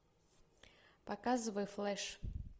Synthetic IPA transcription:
pakazɨvɐjuflˠɛʂ

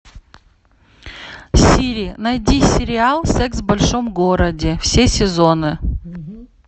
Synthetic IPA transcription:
fsʲiɾʲinɐjdʲisʲɪɾʲɪalˠsɛksvbɐlʲʂomɡoɾədʲɪfsʲesʲɪzo̞nɨ

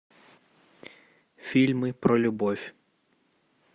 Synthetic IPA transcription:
fʲilʲmɪpɾɔlʲʊbɔwʲ

